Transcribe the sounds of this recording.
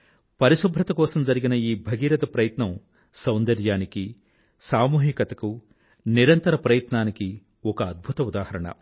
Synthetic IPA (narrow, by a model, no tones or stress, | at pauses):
pɐɾisubʱɾɐt̪ɐkɔːsɐmd͡ʒɐɾiɡinɐiːbʱɐɡiːɾɐd̪ɐpɾɐjɐt̪nɐm | sɐwnd̪ɐɾjaːniki | saːmuːɦikɐt̪ɐku | niɾɐnt̪ɐɾɐpɾɐjɐt̪naːniki | ɔkɐːd̪̚bʱut̪ɐud̪aːhɐɾɐɳɐ̰